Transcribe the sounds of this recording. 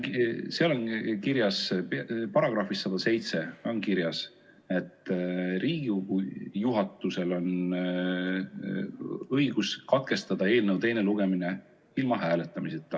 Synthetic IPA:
seɑlonkiɾjɑsppɑɾɑɡ̥rɑhfisːɑd̪ɑse̞jt̪se̞o̞nkiɾjɑs | e̞t̪ːˑriːɡujuɦɑt̪ːˑuse̞lo̞n | ɤjɡ̥uskɑt̪̚ke̞st̪ɑd̪̥ɑe̞ːlnəwt̪e̞jne̞luɡ̥e̞mine | ilmɑɦæːle̞t̪ːˑɑmiset̪ːˑɑ

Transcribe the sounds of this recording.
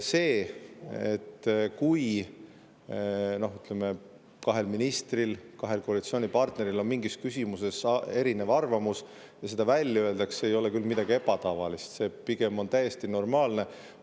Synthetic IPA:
se̞ː | et̪ːkuj | no̞hyt̪ːˑleme | kɑɦe̞lminist̪rilkɑɦe̞lko̞ɑlit̪sio̞ːnʲipɑrt̪ne̞ɾilo̞nmiŋɡiskysʲimuse̞se̞ɾinevɑrvɑmus | jɑse̞d̪̥ɑvælʲːjɑøe̞ld̪̥ɑksejo̞lekylmid̪̥ɑɡ̥ie̞bɑt̪ɑvɑ̰list̪se̞ːpiɡ̥e̞mo̞nt̪æjːest̪ino̞rmɑːlne̞

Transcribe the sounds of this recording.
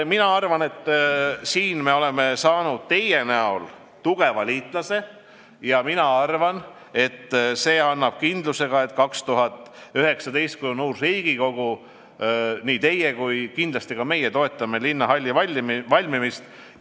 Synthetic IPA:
minɑɑrvɑne̞t̪ːsiːnme̞o̞le̞me̞sɑːnud̪̥̚t̪e̞jenæol | t̪uɡ̥e̞vɑliːt̪ˑlɑse̞ | jɑminɑɑrvɑn | e̞t̪ːse̞ːɑnːɑb̥̚kind̪luse̞ɡ̥ɑe̞t̪ːˑkɑkst̪uɦɑt̪ːˑyɦe̞ksɑd̪e̞jst̪̚kujonnuːrriːɡ̥iko̞ɡ̥u | niːt̪e̞jekujkind̪lɑst̪iɡ̥ɑme̞jet̪o̞e̞t̪ːˑɑme̞linːɑɦɑlʲːɑvɑlʲmvɑlʲmimist̪

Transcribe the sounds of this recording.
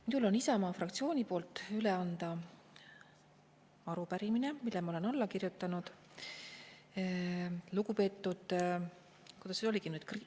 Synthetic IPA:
minulo̞nisɑmɑːfrɑkt̪sio̞ːnʲipo̞ːlt̪ːˑyle̞ɑnd̪̥ɑ | ɑɾupæɾimine̞milːemɑolenɑlːɑkirjut̪ːˑɑnud̪̥ | luɡupe̞ːt̪ːud̪̥ | kujd̪ɑsnyo̞liɡinyːd̪̥kr

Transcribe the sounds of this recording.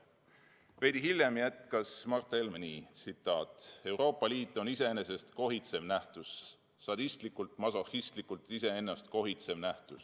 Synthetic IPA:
ve̞jd̪iɦiljemjæt̪kɑsmɑrt̪ːˑelmenit̪sit̪ːˑɑːt̪ˑe̞wɾo̞ːpːˑɑliːt̪ːˑo̞nise̞ene̞se̞st̪ko̞ɦit̪se̞mnæht̪usː | ɑd̪̥ist̪likːˑult̪mɑsohist̪likːˑult̪ise̞enːɑst̪ko̞ɦit̪se̞mnæht̪us

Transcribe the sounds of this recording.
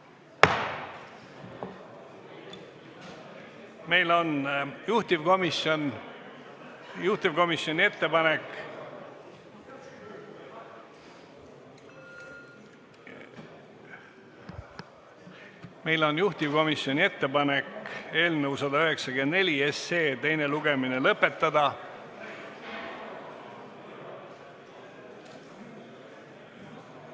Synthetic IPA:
me̞jlo̞njuht̪ivko̞mison | juht̪ivko̞misjo̞nʲie̞t̪ːe̞pɑne̞k | me̞jlo̞njuht̪ivko̞misjo̞nʲie̞t̪ːe̞pɑne̞ke̞ːlnəusɑd̪ɑyɦe̞ksɑɡend̪nelʲie̞se̞ːt̪e̞jneluɡ̥e̞mine̞lɤpːe̞t̪ːɑd̪ɑ

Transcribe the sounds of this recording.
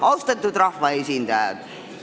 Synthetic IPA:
ɑlst̪ɑt̪ːˑud̪rɑhvɑesʲind̪ɑjɑ̰d̪̥

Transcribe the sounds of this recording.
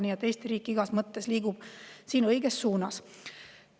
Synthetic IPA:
nʲiet̪ːe̞jst̪iɾiːkːˑiɡ̥ɑsmɤt̪ːe̞sliːɡub̥siːnɤjɡ̥e̞sːuːnɑs

